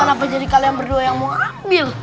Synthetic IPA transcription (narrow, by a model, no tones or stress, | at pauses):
ənap̬ad͡ʒadikalajaŋbərduajaŋmuŋambɪl